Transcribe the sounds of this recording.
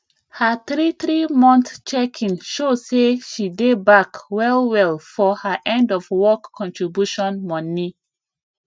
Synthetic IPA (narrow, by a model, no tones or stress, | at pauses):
haθɹiθɹimɔ̃nθt͡ʃɛkʰĩnʃoseʃidebakwɛlwɛlfɔhəʔɛ̃ndɔfwɔkʰːɔ̃ntʰɹibjuʃɔ̃nmɔ̃ni